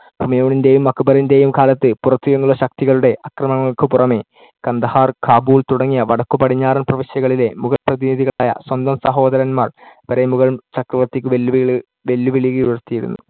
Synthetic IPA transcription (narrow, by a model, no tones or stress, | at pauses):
bʱumɐjoːɳinde̞jumːɐkːubɐɾinde̞ːjumkaːlɐt̪ːɨpurɐt̪ːuɾunːuɭːɐɕɐk̚t̪iɣɐɭuɽe̞ʔɐkrɐmɐŋːɐɭkɨpurɐme̞ | kɐnd̪ɐhaːrkʰaːbuːlt̪uɽɐŋːijɐʋɐɽɐkːupɐɽiɲːaːɾɐnprɐʋiɕjɐɣɐɭile̞muɣɐɭprɐðiniðiɣɐɭaːjɐ̰swɐnd̪ɐmsɐɦo̞ːd̪ɐɾɐnmaːrpɐɾemuɣɐɭmt͡ɕɐkrɐʋɐt̪ːikʲːɨʋe | ʋe̞lːuʋiɭiɣɐjujɐrt̪ːijiɾṵnːṵ